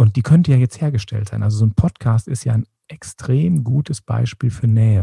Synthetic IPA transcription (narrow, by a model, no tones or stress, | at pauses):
ʔʊnt̚d̥iːkʰœntəjaːjɛt͡stheːɐɡəʃtʰɛ̰ltz̥aɪnʔalzozoːnpʰɔtkʰaːstɪstja̰ːɪn | ʔɛkstʁ̥eːmɡuːtʰəsb̥a̰ɪʃpiːlfyːɐnɛːə